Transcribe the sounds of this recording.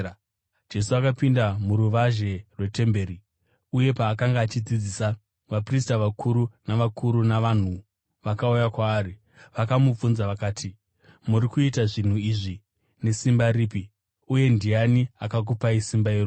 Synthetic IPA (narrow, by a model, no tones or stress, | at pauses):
d͡ʒe̞suakapindamuɾuʋaʒe̞rwe̞te̞mbe̞ːɾi | uje̞paːkaŋɡaːt͡ʃid͡zid͡ziːsa | ʋapristaʋakʰuɾunaʋakʰuɾunaʋan̤u | ʋakaujakwaːri | ʋakamup͡funzaʋakaːtʰi | muɾikuitaʐin̤uiʐi | ne̞simbaɾiːpi | uje̞ndianiakak̬upaisimbairoː